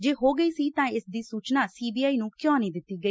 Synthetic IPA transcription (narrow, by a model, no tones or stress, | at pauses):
d͡ʒeːɦoːɡəiːsiːt̪ãːɪsd̪iːsuːt͡ʃnaːsiːbiːaːiːnũːkjɔ̃ːnĩːd̪ɪt̪ːiːɡəi